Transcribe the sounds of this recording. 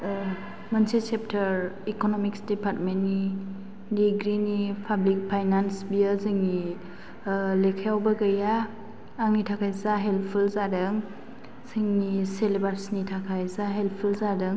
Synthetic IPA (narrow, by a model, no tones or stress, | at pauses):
mənsesep̚tʰəɾikonomiksdipʰatmenːi | diɡɾinipʰablik̚pʰajnansbiazɯŋni | lekʰajawbaɡəjaː | ŋnitʰakʰajzaɦelpʰulzadɯŋ | sɯŋniselebaɾsnitʰakʰajzaɦelpʰulzadɯŋ